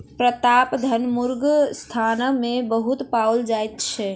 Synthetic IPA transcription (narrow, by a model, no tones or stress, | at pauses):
pɾət̪apd̪ʱənmuɾɡst̪ʰanmebəɦut̪pawld͡ʒajt̪t͡ʃʰɛ